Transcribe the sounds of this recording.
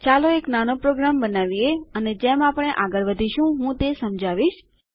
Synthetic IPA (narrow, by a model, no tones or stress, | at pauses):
t͡ʃaloeknanopɾoɡɾambənaʋieəned͡ʒemapɳ̃eʔaɡəɾʋəd̪ʱiʃũɦũt̪esəmd͡ʒʱaʋiʃ